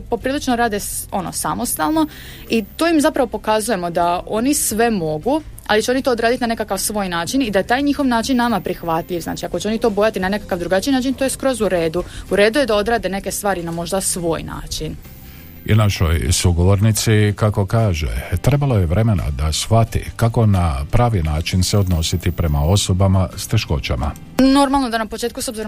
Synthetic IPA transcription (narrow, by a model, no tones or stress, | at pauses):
po̞pɾiːlit͡ʃnoɾaːd̪eo̞no̞̰samo̞st̪alˠno̞ | it̪oːimzapɾaʋo̞po̞kazuje̞mo̞d̪ao̞nisʋe̞mo̞ɡu | a̰lit͡ɕeo̞nit̪oːd̪ɾaːd̪it̪inane̞kakaʋsʋo̞ːjnaːt͡ʃinid̪aje̞t̪aːjɲixo̞ʋnaːt͡ʃinːamapɾixʋat̪ʎʲiʋzna̰ːt͡ʃiako̞t͡ɕeo̞nit̪o̞ːbo̞jat̪inane̞kakaʋd̪ɾuɡat͡ʃinaːt͡ʃint̪ojeskɾo̞zuɾe̞ːd̪uuɾe̞ːd̪uje̞d̪ao̞d̪ɾaːd̪e̞ne̞ke̞st̪ʋaːɾinamo̞ʒd̪asʋo̞ːjna̰ːt͡ʃin | ḭnaʃo̞̰jsuɡo̞ʋo̞ɾnit̪sikako̞kaːʒḛt̪ɾe̞balojeʋɾe̞me̞na̰d̪asxfʋat̪ḭkako̞napɾaːʋinaːt͡ʃinseod̪no̞sit̪ipɾe̞mao̞so̞bamast̪e̞ʃko̞̰t͡ɕa̰ma̰ | no̞ɾmalˠno̞d̪anapo̞t͡ʃe̞ːt̪kuso̞bziɾo